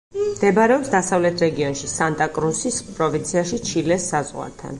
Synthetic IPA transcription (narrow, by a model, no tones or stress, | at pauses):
md̪ɛbɾɛɔpsd̪asavlɛt̪ʰɾɛɡiɔnʃisant̪ʼakʼɾusispʼɾɔvint̪sʰiaʃit͡ʃʰilɛsːazʁwa̰ɾt̪ʰa̰n